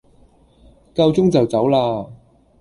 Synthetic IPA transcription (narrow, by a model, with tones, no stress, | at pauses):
kɐ˧wt͡sʊ˥ŋt͡sɐ˨wt͡sɐ˨˥wlaː˧